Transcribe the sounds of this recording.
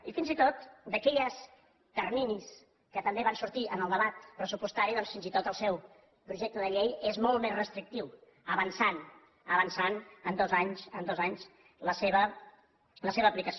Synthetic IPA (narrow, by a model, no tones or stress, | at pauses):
ifinzit̪ot̪d̪əkɛʎəs | k̪ərninis | kət̪əmbeβansuɾt̪iʔənəlˠd̪əβat̪pɾəsupust̪aɾiðɔnsfinzit̪ot̪əlˠsɛw | pɾuʒɛk̚t̪əðəʎejezmɔlˠmezrəst̪ɾik̚t̪iw | əβənsan | əβənsanənd̪ɔzaɲsənd̪ɔzaɲz | ləseβə | ləseβəːplikəs